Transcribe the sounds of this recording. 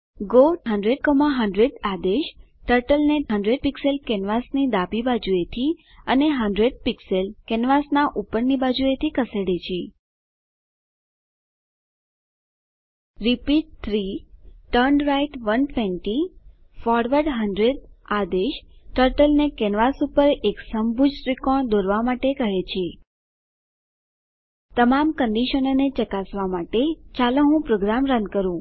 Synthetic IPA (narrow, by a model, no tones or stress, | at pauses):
ɡoɦəɳɖɾeɖ̚kɔmãɦəɳɖɾed̪ad̪eʃ | ʈəɾʈəlneɦəɳɖɾeɖ̚pikselkɛnʋasnid̪abibad͡ʒuet̪ʰi | əneɦə̃ɳɖɾeɖ̚pikselkɛnʋasnaʔupəɾnibad͡ʒuet̪ʰikəseɽet͡ʃʰe | ɾipiʈ̚t̪ʰɾiʈəɾɳɖɾaiʈʋənʈʰʋeɳʈi | fɔɾʋəɾɖɦənɖɾed̪ad̪eʃʈəɾʈəlnekɛnʋasupəɾeksəmbʱud͡ʒɾikɔɳd̪oɾʋamaʈekəɦet͡ʃʰe | t̪əmamkəɳɖiʃənonet͡ʃəkasʋamaʈet͡ʃaləɦũpɾoɡɾamɾə̃nd̪̚kəɾũ